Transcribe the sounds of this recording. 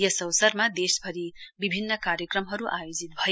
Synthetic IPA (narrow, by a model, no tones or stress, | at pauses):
jʌsʌwsʌɾmad̪esbʱʌɾibibʱinːʌkaɾjəkɾʌmɦʌɾuʔajod͡zit̪̚bʱʌ